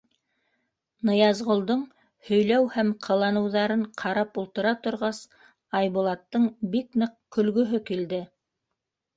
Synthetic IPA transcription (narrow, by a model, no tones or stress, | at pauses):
nɤ̆jɑzʁŏlˠd̪oɴ | hɵ̆jlæwhæmqʰɤ̆lˠɑnɤ̆wðɑɾɤɴqʰɑɾɑpulˠt̪ɤ̆ɾɑt̪ŏɾʁɑs | ɑjβulˠɑt̪ːɤɴbiknɤq̚kɵ̆lɡɵ̆ɦɵkild̪ɘ